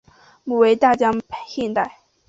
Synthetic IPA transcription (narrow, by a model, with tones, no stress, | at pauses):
mu˨˩we˧˥ɪt̪a˥˩t͡ɕjɑ˥pʰɕɛ˥˧nt̪a˥˩ɪ